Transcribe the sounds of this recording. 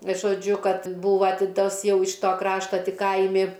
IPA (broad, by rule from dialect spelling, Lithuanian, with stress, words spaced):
ʒoːˈd͡ʒʲʊ ˈkɐt ˈbuːʋɐ ˈtʲɪ ˈtɐs ˈjɛʊ ɪʃ ˈtoː ˈkrɑːʃtɐ ˈtʲɪ ˈkɐɪmʲɪ